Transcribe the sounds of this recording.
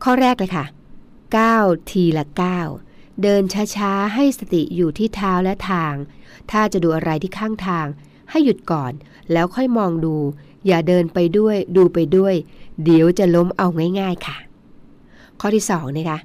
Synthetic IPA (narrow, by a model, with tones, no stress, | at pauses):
kʰɔː˥˩ɾɛː˥˩k̚lɤ˧jkʰa˥˩ | kaː˥˩wt̪ʰiː˧lɛ˦˥kaː˥˩w | dɤː˧nt͡ɕʰaː˦˥t͡ɕʰaː˦˥ɦa˥˩jsa˧t̪i˨˩juː˨˩t̪ʰiː˥˩t̪ʰaː˦˥wlɛ˦˥t̪ʰaː˧ŋ | t̪ʰaː˥˩t͡ɕa˨˩duː˧ʔa˧ɾa˧jt̪ʰiː˥˩kʰaː˥˩ŋt̪ʰaː˧ŋ | ha˥˩jːu˨˩t̪̚kɔː˨˩n | lɛː˦˥wkʰɔ˥˩jmɔː˧ŋduː˧ | jaː˨˩dɤː˧npa˧jdu˥˩əjduː˧pa˧jdu˥˩əjdi˩˦əwt͡ɕa˨˩lo˦˥mʔa˧wŋaː˥˩jŋaː˥˩jkʰa˥˩ | kʰɔː˥˩t̪ʰiː˥˩sɔː˩˦ŋna˦˥˩kʰa˦˥ʔ